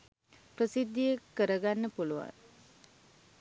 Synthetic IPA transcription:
prəsid̪ːijəkːəɾəɡanːəpuluʋa̰n

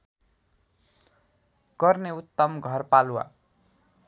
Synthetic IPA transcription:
ɡ̥ʌrneut̪ːʌmɡʱʌrpaluwa̰

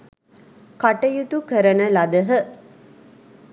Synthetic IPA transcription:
kaʈəjut̪ukəɾənəlɐd̪əɦə

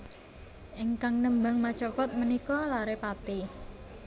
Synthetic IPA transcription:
ʔɪŋkaŋnəmba̤ŋmat͡ʃɔpɔt̪̚mənikɔlaɾepat̪i

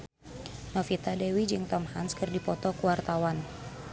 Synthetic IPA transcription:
nɔfit̪adɛwid͡ʒɨŋt̪ɔmha̰nskɨrdipɔt̪ɔkuwart̪awan

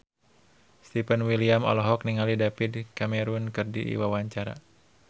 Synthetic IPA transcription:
st̪ipənwiliamɔ̰lɔɦɔk̚niŋalidapid̚kamɛɾunkɨrdḭʔḭwawaɲt͡ʃaɾa̰

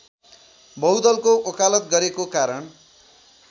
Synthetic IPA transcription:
bʌwd̪ʌlkoʔokalʌt̪̚ɡʌɾekokaɾʌn

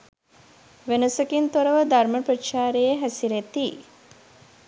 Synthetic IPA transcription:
ʋenəsəkint̪oɾəʋəd̪arməprəʃaːɾejeɦæsiɾet̪i

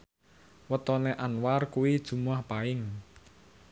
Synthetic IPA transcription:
wət̪ɔneʔanwarkuwid̥ʒ̥ṳmuahpaɪŋ

